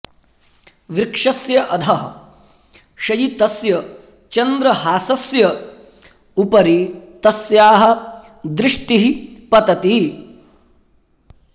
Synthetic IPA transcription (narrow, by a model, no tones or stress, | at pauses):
ʋɾɪkʂɐsjɐʔɐd̪ʰʱɐɦɐ | ʃɐjit̪ɐsjɐ | t͡ʃɐnd̪ɾɐɦaːsɐsjɐ | upɐɾit̪ɐsjaːɦɐ̆ | d̪ɾɪʂʈ̪iɦipɐt̪ɐt̪i